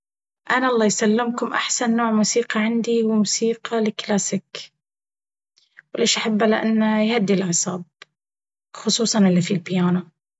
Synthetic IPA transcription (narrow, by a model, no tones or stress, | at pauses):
ʔanaʔɑlˤːɑːjsalːɪmkʊmʔaħsanːoːʕmuːsiːqɑʕɪnd̪iwɪmuːsiːqɑlɪklaːsɪk | wleːʃʔaħabːalɪʔa̰nːajhad̪ːilʔaʕsˤɑːb̚ | xʊsˤuːsˤɑnʔɪlːifilbɪjaːna